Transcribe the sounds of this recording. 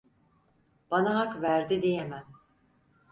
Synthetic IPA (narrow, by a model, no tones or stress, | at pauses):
b̥anaɦakvæɾd̪id̪ejemæm